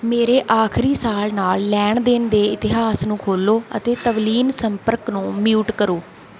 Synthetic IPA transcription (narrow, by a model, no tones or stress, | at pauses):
meːɾeːʔaːkʰɾiːsaːlnaːlːɛːɳd̪ɪnd̪eːɪt̪ɪɦaːsnũːkʰoːloːə̰t̪eːt̪əʋliːnsəmpəɾknũːmjuːʈkəɾoː